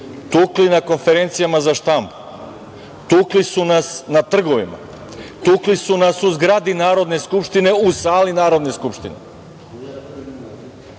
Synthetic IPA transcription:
t̪uːklinako̞nfe̞ɾent̪sijamazaʃt̪ambu | t̪uːklisunasnat̪r̩ɡo̞ʋḭma̰ | t̪uːklisunasuzɡɾad̪inaːɾo̞d̪ne̞skupʃt̪ine̞usaːlinaːɾo̞d̪ne̞skupʃt̪inḛ

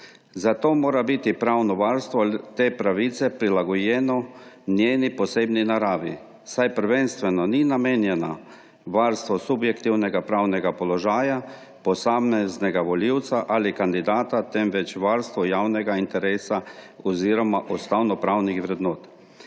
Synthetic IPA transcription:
zat̪oːmoːɾabit̪ipɾawnɔʋaɾst̪ʋɔt̪eːpɾaʋiːt̪sɛpɾilaɡɔjɛːnɔnjeːnipɔseːbninaɾaːʋḭ | sajpəɾʋenst̪ʋɛnɔninameːnjɛna | ʋaɾst̪ʋɔsubjɛkt̪iwnɛɡapɾaːwnɛɡapɔlɔʒaːja | pɔsamɛznɛɡaʋɔliwt̪saʔalikand̪id̪aːt̪at̪ɛmʋɛt͡ʃʋaːɾst̪ʋɔjaːwnɛɡaint̪ɛɾeːsa | ɔziːɾɔmaʔɔst̪awnɔpɾaːwnixʋɾɛd̪noːt̪

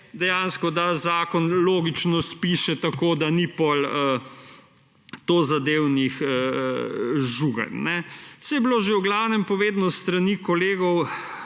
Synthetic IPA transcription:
d̪ɛjanskɔd̪azaːkɔnloːɡit͡ʃnɔspiːʃɛt̪akod̪anipɔlə | t̪ozad̪eːwnixə | ʒuɡɐ̰nnɛsɛjɛbloːʒewɡlaːwnɛmpɔʋeːd̪nɔst̪ɾanikɔleːɡɔw

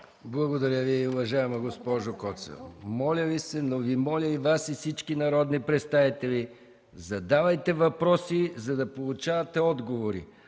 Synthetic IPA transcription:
blˠɐɡod̪ɐɾʲjəviiʊvɐʒaɛmɐɡospɔʒokɔt̪sə̰mɔlʲəvisɛnovimɔlʲəivasifsit͡ʃkinɐɾɔd̪nipɾɛt̪st̪avit̪ɛlʲi | zɐd̪avɐjt̪ɛvɐpɾɔsizɐd̪ɐpolˠut͡ʃavɐt̪ɛɔd̪ɡovoɾḭ

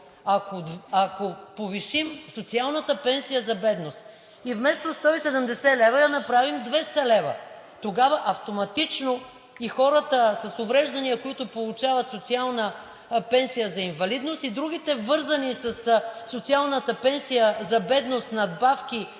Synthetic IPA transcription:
ɐkoɐkopoviʃimsot̪sialˠnət̪əpɛnsijəzɐbɛd̪nost̪ | ivmɛst̪ost̪ɔisɛd̪əmd̪ɛsɛlɛvəd̪ɐnɐpɾavimd̪vɛst̪ɐlɛvə̰ | t̪oɡavɐʔɐft̪omɐt̪it͡ʃno | ixɔɾət̪əsɐsʊvɾɛʒd̪ɐnijəkoit̪ʊpolˠut͡ʃavɐt̪sot̪sialˠnə | pɛnsijəzɐiɱvɐlid̪nost̪id̪ɾuɡ̟it̪ɛvɤɾzɐnisɐssot̪sialˠnət̪əpɛnsijəzɐbɛd̪nost̪nɐd̪bafk̟i

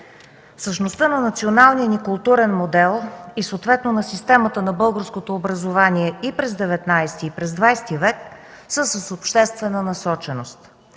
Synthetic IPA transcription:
fsəʃnost̪ɤnɐnɐt̪sionalˠnijənikʊlˠt̪uɾɛnmod̪ɛlˠisoːt̪vɛt̪nonɐsist̪ɛmət̪ənɐbɤlˠɡəɾskot̪oːbɾɐzovaniɛipɾɛzd̪ɛvɛt̪najst̪iːpɾɛzd̪vajst̪ivɛk | səsəsopʃt̪ɛst̪vɛnənɐsɔt͡ʃɛnost̪

